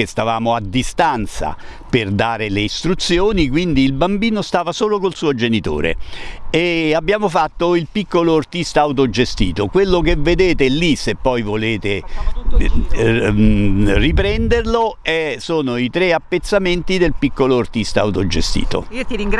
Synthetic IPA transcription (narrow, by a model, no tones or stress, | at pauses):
est̪avaːmoad̪ːist̪ant̪sa̰ | perd̪aːɾeleist̪ɾut̪sjoːnikwind̪iːlbambiːnost̪aːvasoːlokolsuːod͡ʒenit̪o̰ːɾḛeabːjaːmofat̪ːoilpikːoloːrt̪ist̪aːuwt̪od͡ʒest̪ḭːt̪okwelːok̬eved̪eːt̪elːisepːɔjvoleːt̪e | ripɾɛnd̪erloɛsoːnoit̪ɾeapːet̪sːament̪id̪elpikːoloːrt̪ist̪a̰wt̪od͡ʒḛst̪ḭːt̪o̰t̪iɾiŋɡ